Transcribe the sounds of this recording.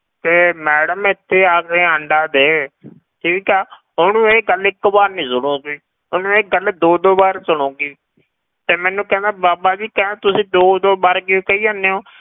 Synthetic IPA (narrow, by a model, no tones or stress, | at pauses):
t̪eːmɛːɽəmɪt̪ʰːeːaːkeːəɳɖaːd̪eː | ʈʰiːkɛː | ɦonũːeːɡəlɪkːbaːɾnĩːsʊɽ̃oːɡiː | oːnũːeːɡəld̪oːd̪oːbaːɾsʊɽõːɡiː | t̪eːmɛ̃ːnːũːkɛ̃ːnd̪aːbaːbaːd͡ʒiːkɛ̃ːt̪ʊsĩːd̪oːd̪oːbaːɾɡekəiːanːeːoː